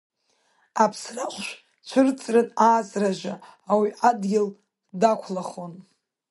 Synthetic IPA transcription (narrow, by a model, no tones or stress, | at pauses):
apʰsraχʷʃʷ | t͡ʃʷʰʊrt͡sʼrɨnaːt͡sʼraʒʷaawiʔadɡʲɪl | dakʷʰlaχo̞n